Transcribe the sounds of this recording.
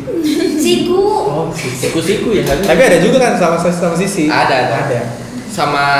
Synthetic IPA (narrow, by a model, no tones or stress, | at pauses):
sikuɔsisikusikujaat̪apiadad͡ʒuɡakansamasasamas̬isiadaːdaːda | sama